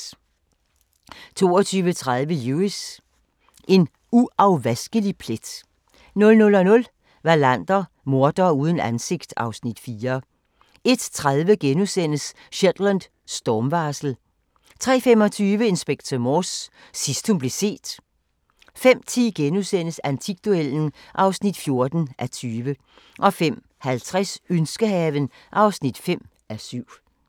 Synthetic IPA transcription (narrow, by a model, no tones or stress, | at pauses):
t͡sʰo̝̰ːɒt͡sʰyːʋət͡sʰʁað̞ˠʋəjuːis | ʔe̝n | uɑʊʋæsɡ̥əlipʰled̥ | nɔ̽lnɔ̽lɒnɔ̽l | ʋɑ̈læn̰d̥ɐ | mo̝ɐd̥ɐuːð̞ˠn̩ænse̝ɡ̥̚d̥ɑ̈ʊsnid̥fiːɐ | e̝d̥t͡sʰʁaðˠʋəɡ̥enusen̰əs | ɕed̥lænd̥ | sd̥ɒːmʋɑ̈ːsl̩ | t͡sʰʁɛ̰ːfem̰ɒ̽t͡sʰyːʋəe̝nsb̥eɡ̥̚t͡sʰɐmɒsː | isd̥humb̥le̝se̝̰ːd̥ | fem̰t͡sʰiɡ̥enusen̰əsænt͡sʰiɡ̥̚d̥uel̰n̩ʔɑ̈ʊsnid̥fjo̝ɐd̥n̩ʔæt͡sʰyːʋə | ʔɒ̽fem̰ | hælt͡sʰʁɛsønsɡ̥əhɛːʋən | ʔɑ̈ʊsnid̥fem̰ | æsyʊ̰